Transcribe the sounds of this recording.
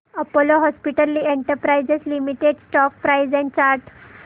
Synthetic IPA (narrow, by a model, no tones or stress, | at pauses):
əpoloɦɔspiʈəlːieɳʈəɾpɾajd͡zeslimiʈeɖsʈɔk̚pɾaid͡zɛ̃ɳt͡ɕaɾʈ